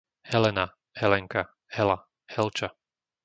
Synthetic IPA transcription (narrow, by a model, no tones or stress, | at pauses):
hɛlɛna | hɛlɛŋka | hɛla | hɛlt͡ʃa